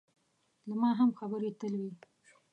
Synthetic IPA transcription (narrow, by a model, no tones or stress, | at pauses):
lamɑɦamxabəɾet̪əlwi